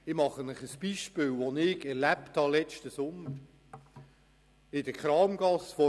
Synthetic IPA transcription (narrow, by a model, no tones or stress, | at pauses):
ɪmɑχənɪχəsb̥iʃpɪːlʋonɪɡɛɾlæpt̪hɑlɛt͡ʃtəsʊməɾ | ɪdəkχɾɑːmɡ̥ɑsfɔ